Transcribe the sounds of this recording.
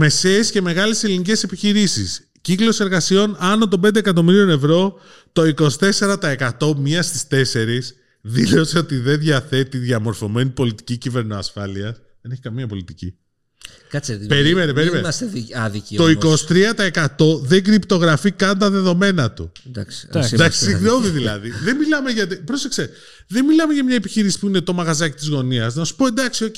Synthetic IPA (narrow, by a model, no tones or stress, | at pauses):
me̞se̞ːsce̞me̞ɣɐleselinice̞se̞piçiɾisḭs | ciklo̞se̞ɾɣɐsio̞nɐno̞t̪̬o̞mbend̪ekɐt̪o̞miɾio̞ne̞vɾo̞ | t̪o̞iko̞si̥t̪e̞se̞ɾɐt̪ɐe̞kɐt̪o̞mɲiɐst̪i̥st̪e̞se̞ɾis | ðilo̞seo̞t̪iðe̞nðʝɐθe̞t̪iðʝɐmo̞ɾfo̞me̞nipo̞lit̪i̥cicive̞ɾnoɐsfɐliɐs | ðe̞ne̞çi̥kɐmiɐpo̞lit̪icḭ | kɐt͡speɾimenepe̞ɾimeseɐðicit̪o̞ikosi̥t̪ɾiɐt̪ɐekɐt̪o̞ðe̞ɡɾipt̪o̞ɣɾɐfikɐnt̪ɐðe̞ðo̞me̞nɐt̪ud̪ɐ̰sd̪d̪ɐksi̥siɣno̞ðiðilɐðiðemilɐmeʝɐt̪ipɾosekse | ðenmilɐme̞ʝɐmɲɐepiçiɾisi̥puine̞t̪o̞mɐɣɐzɐci̥t̪izɣo̞niɐznɐsu̥po̞end̪ɐksio̞c